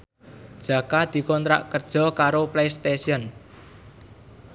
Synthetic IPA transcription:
d̥ʒ̥ä̤kad̪̥i̤kɔnt̪ɾa̰ʔkərd̥ʒ̥ɔ̤kaɾoplejst̪esiɔn

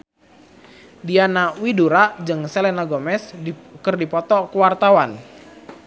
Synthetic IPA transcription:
dianawiduɾad͡ʒɨŋselɛnaɡomɛskərdipɔt̪ɔkəwart̪awan

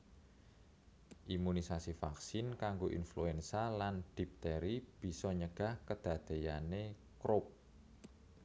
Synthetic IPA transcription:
ʔimunisasifaksɪnkaŋɡoʔḭnfluɛnsaland̪̥i̤p̚t̪eɾib̥i̤sɔɲəɡ̥a̤hkəd̪̥a̤d̪̥e̤jane | kɾʊp̚

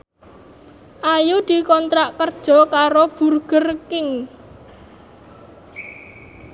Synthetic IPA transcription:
ʔajud̪̥i̤kɔnt̪ɾaʔkərd̥ʒ̥ɔ̤kaɾob̥urɡ̥ərkɪŋ

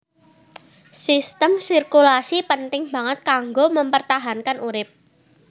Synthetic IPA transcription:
sist̪əmsirkulasipənt̪ɪŋb̥ä̤ŋət̪̚kaŋɡoməmpərt̪aɦankanuɾɪp̚

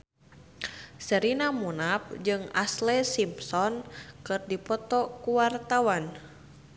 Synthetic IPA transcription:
səɾinamunap̚d͡ʒɨŋaslɛsimpsɔnkɨrdipɔt̪ɔkuwart̪awan

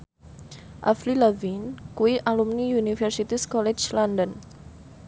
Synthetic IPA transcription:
ʔa̰flilavinkuwiʔalumniunifɛrsit̪iskɔlɛd͡ʒland̪ən

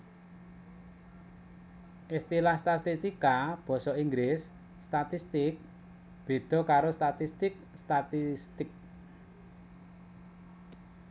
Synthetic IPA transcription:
ʔist̪ilahst̪at̪ist̪ikab̥ɔ̤sɔiŋɡlɪsː | t̪at̪ist̪ɪk̚ | b̥e̤d̪̥ɔ̤kaɾost̪at̪ist̪ɪk̚ | st̪at̪ist̪ɪk̚

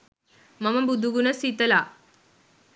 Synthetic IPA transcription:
mɐmɐbud̪ʱuɡunɐsit̪əla

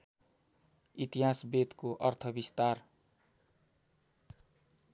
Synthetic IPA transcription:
it̪iɦasbet̪koʔʌrt̪ʰʌbist̪ar

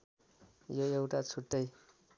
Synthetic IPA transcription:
joewʈat͡sʰuʈ̪ːʌj

